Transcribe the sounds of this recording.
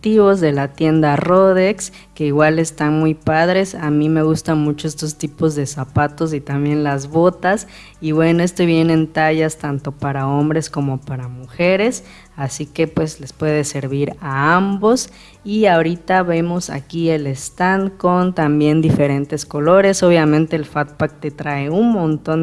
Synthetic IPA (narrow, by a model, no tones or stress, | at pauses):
t̪iβo̞zðe̞lat̪je̞nd̪aroðeks | ke̞iɣwale̞st̪anmujpaðɾe̞samime̞ɣ̞ust̪anmut͡ʃo̞est̪ost̪ipo̞zðe̞sapat̪o̞s̬it̪ambje̞nlazβo̞t̪as | iβwe̞noe̞st̪oβje̞neent̪aʝast̪ant̪o̞paɾao̞mbɾe̞sko̞mo̞paɾamuxe̞ɾe̞s | asike̞pwe̞sle̞spwe̞ð̞e̞se̞ɾβiɾaambo̞s | iaoɾit̪aβe̞mo̞sa̰kie̞le̞st̪anko̞nt̪ambje̞nd̪ife̞ɾe̞nt̪e̞sko̞lo̞ɾe̞so̞β̞jamẽnt̪eːlfat̪̚pak̚t̪e̞t̪ɾae̞unmõ̞nt̪o̞n